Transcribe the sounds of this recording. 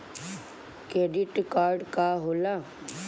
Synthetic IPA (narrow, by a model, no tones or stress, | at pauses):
keːɖɪʈkaːɾɖkaɦoːla